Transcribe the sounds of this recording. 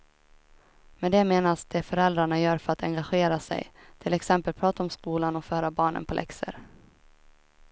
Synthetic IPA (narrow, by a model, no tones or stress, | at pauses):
mɛd̪ɛmeːnasd̪̥ɛfœɾɛld̪ɾaɳajœːɾfœɾat̪ɛŋɡaɧeːɾasɛ̰jt̪ʰɪlɛksɛmpəlpʰɾɑːt̪aɔmskuːlanɔfœːɾabɑːɳə̰npʰɔlɛ̰ksə̰ɾ